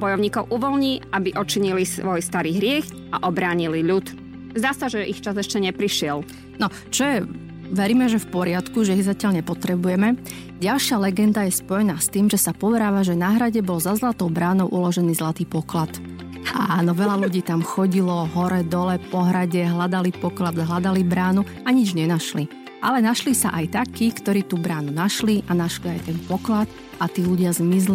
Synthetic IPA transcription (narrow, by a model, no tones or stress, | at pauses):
bɔjɔʊɲiːkɔʊʔuʋɔlɲiːabiʔɔt͡ʃiɲilisʋɔjst̪aɾiːɦɾɪɛx | a̰ʔɔbɾaːɲiliʎut̪ | zd̪aːsaʒɛʔixt͡ʃazɛʃcɛɲɛpɾiʃɪɛl | nɔ | t͡ʃɔjɛ | ʋɛɾiːmɛʒɛfpɔɾɪat̪kuʒɛizacɪalɲɛpɔt̪ɾɛbujɛmɛ | ɟalʃɪalɛɡɛnd̪ajɛspɔjɛnaːst̪iːmʒɛsapɔʋɛɾaːʋaʒɛnaːɦɾaɟɛbɔlzazlat̪ɔʊbɾaːnɔʊʔulɔʒɛniːzlat̪iːpɔklat̪ | anɔʋɛlaluɟiːt̪amxɔɟilɔɦɔɾɛd̪ɔlɛpɔɦɾaɟɛɦlad̪alipɔklad̪ɦlad̪alibɾaːnu | aɲid͡ʒɲɛnaʃli | ʔalɛnaʃlisa̰ʔajt̪akiːkt̪ɔɾiːt̪ubɾaːnunaʃliʔanaʃliajt̪ɛnpɔklat̪ | at̪iːluɟɪazmizli